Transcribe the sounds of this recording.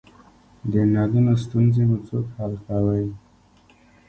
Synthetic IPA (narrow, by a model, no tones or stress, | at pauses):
d̪ənɑd̪unost̪unzemut͡sokhalkawəj